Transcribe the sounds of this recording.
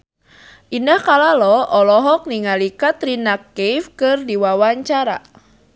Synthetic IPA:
ʔindahkalalɔʔɔlɔɦɔk̚niŋalikat̪rinakːejfkɨrdiwawaɲt͡ʃaɾa̰

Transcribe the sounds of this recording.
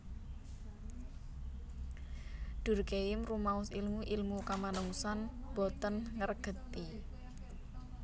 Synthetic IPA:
d̪̥ṳrkeɪmrumaʊsilmuʔilmukamanəŋusanb̥ɔt̪ənŋərɡ̥ə̤t̪i

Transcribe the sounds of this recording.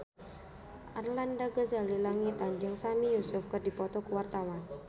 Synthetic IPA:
ʔarlandaɡəzalilaŋit̪and͡ʒɨŋsamijusʊfkərdipɔt̪ɔkuwart̪awan

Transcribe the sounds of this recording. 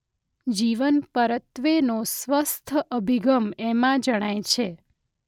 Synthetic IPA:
d͡ʒiʋənpəɾət̪ʋenosʋəst̪ʰəʔəbʱiɡəmemãd͡ʒəɽ̃ajt͡ʃʰe

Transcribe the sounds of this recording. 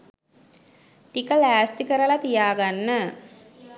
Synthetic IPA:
ʈikəlæːst̪ikəɾəlat̪ijaːɡanːə

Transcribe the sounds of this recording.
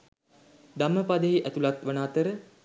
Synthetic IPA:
d̪aməpad̪əɦiʔæt̪ulat̪ʋənaːt̪əɾə

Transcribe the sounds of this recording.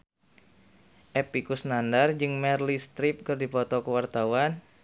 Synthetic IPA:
ʔepikusnandard͡ʒɨŋmɛrlist̪ɾip̚kɨrdipɔt̪ɔkəwart̪awan

